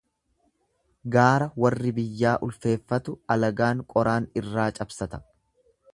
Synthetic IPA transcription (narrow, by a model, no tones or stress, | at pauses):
ɡaːɾɐwɐrːɪbɪjːaːʔʊlfe̞ːfːɐt̪ʊɐlɐɡaːŋkʼɔɾʔaːnɪrːaːt͡ʃʼɐbsɐt̪ɐ̥